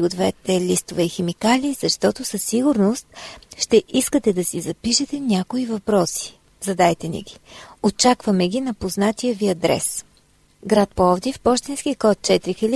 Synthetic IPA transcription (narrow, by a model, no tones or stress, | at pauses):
ɡʊd̪vɛt̪ɛlʲist̪ovɛixɛmikalʲiːzɐʃt̪ɔt̪ʊsɐsːiɡʊɾnost̪̚ʃt̪ɛʔiskət̪ɛd̪ɐsizɐpiʃɛt̪ɛnʲakoivɐpɾɔsi̥ | zɐd̪ajt̪ɛnɛ̰ɡʲiot͡ʃakvɐmɛɡʲinɐpoznat̪ʲiəviɐd̪ɾɛ̰s | ɡɾat̪̚poɔvd̪ʲifpɔʃt̪insk̟ikɔt̪̚t͡ʃɛt̪ɾixilʲi